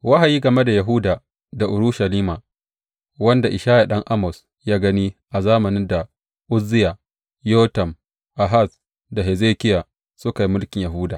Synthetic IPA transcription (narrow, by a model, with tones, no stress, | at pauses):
wa˦ɦa˨jiː˦ɡɐ˨me˦da˨ja˨ɦu˦daː˨ | da˨ʔʊ˨ɾʊ˦ʃa˨liː˦maː˨ | wɐ˦nda˨ʔɪ˨ʃaː˦ja˨ɗɐ˦ŋʔa˦mɔ˨s | jaː˦ɡɐ˦niː˦ʔa˨zaː˦mɐ˨nɪ˦nda˨ | ʔʊ˦zɪ˦ja˨ | joː˦tɐ˨m | ʔa˨ɦa˦˨s | da˨ɦe˨zeː˦kʲɪ˦ja˨ | sʊ˦ka˨ji˦mʊ˦lkʲɪ˨ɲja˨ɦuː˦daː˨